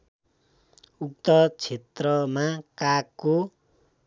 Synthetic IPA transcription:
uk̚t̪ʌt͡sʰet̪rʌmakakːo

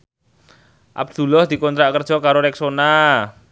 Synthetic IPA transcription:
ʔa̰b̚d̪̥ṳlɔhd̪̥i̤kɔnt̪ɾaʔkərd̥ʒ̥ɔ̤kaɾoɾɛksona

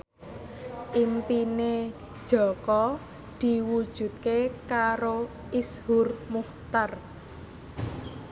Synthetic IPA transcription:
ʔimpine̥ | ʒ̥ɔ̤kɔ | d̪̥i̤wud̥ʒ̥ṳt̪̚kekaɾo | ʔishʊrmuht̪ar

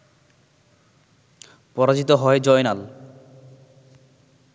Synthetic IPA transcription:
pɔɾad͡ʑit̪oɦɔed͡ʑɔenal

